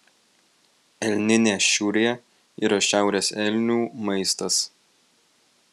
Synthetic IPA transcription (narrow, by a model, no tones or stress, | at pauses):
ɛlʲnʲɪnʲeːʃʲuːɾʲeɛ | ḭːɾɐʃʲæˑʊɾʲeːsɛlʲnʲuːmɐɪst̪ɐs